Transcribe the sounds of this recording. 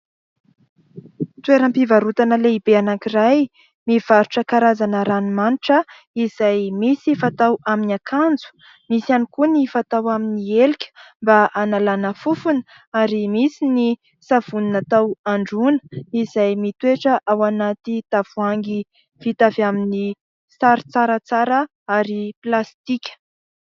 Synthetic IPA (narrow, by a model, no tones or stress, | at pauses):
t̪weɾəmpivaɾut̪anəleibeanakiraj | miv̥aɾuʈ͡ʂəkaɾazanəɾanimaniʈ͡ʂə | iz̥ajmisifat̪awaminakʰand͡zu̥ | misanikunifat̪awaminielikʲə̥mbaʔanalanəfufunə | aɾimisini | sav̥uninat̪awaɳɖ͡ʐunə̥izajmit̪ueʈ͡ʂəʔawanat̪it̪av̥uaŋɡi | vit̪avamini | saɾit͡saɾət͡saɾə | aɾiplast̪ikʲə̥